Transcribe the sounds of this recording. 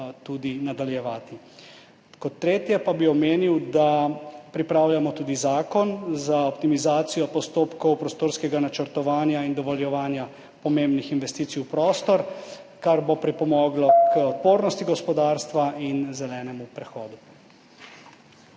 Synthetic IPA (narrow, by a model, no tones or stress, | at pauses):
t̪uːd̪inad̪aljɛʋaːt̪i | kɔt̪ːɾeːt̪jɛpabiɔmeːniwd̪apɾipɾaːwljamɔt̪uːd̪izaːkɔnzaɔp̚t̪imizaːt̪sijɔpɔst̪oːpkɔwpɾɔst̪oːɾskɛɡanat͡ʃəɾt̪ɔʋaːnjaind̪ɔʋɔljɛʋaːnja | pɔmembnixinʋɛst̪iːt̪sijwpɾoːst̪ɔɾ | kaɾbopɾipɔmɔːɡlɔkəɔt̪̚poːɾnɔst̪iɡɔspɔd̪aːɾst̪ʋainzɛlɛːnɛmupɾɛxɔːd̪u